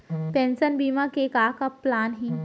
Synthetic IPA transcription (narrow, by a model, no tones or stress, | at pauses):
t̪ɛ̃nsənbimakekakəpːlanɦi